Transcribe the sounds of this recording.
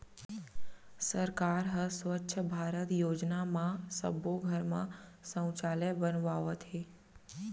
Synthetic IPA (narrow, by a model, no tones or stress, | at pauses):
səɾkaːɾɦəsʋətːʃʰəbʱaːɾət̪joːd͡ʒnamãsə̰boɡʱəɾmã̰sə̃w̃t͡ʃalebənʋaʋət̪ɦe